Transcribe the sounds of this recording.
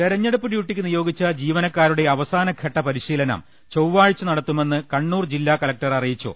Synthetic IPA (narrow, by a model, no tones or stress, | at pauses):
t̪eɾɐɲːɐɽupːɨɽjuʈːikʲːɨnijo̞ːɡit͡ɕːɐd͡ʑiːʋɐnɐkːaːɾuɽe̞ɐʋɐsaːnɐkʰeʈːɐpɐɾiɕiːlɐnɐ̰m | t͡ɕowʋaːɻit͡ɕːunɐɽɐt̪ːume̞nːɨkɐɳːuːrd͡ʑilːaːkɐlɐk̚ʈɐrɐrijit͡ɕːṵ